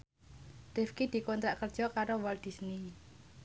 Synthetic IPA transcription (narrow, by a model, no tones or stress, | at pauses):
d̪̥efkid̪̥i̤kɔnt̪ɾaʔkərd̥ʒ̥ɔkaɾowald̪̥i̤sni